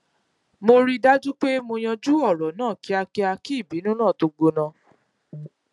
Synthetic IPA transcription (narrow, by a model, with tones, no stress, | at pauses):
mo˧ɾi˦da˦d͡ʒu˦k͡pe˦mo˧j̃ã˧d͡ʒu˦ɔ˦˨ɾɔ˨nãː˦˨ki˨˦a˧ki˦a˧ki˦˨bi˨˦nũ˦nãː˦˨to˧ɡ͡bo˧nã˧